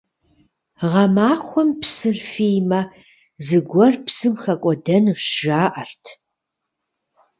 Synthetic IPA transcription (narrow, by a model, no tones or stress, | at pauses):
ʁɐmaːχʷʊmpsɨrfiːjmɐ | zɨɡʷɔrpsɨmxɐkʷʼɔdɐnuɕʒaːʔɐrtʰ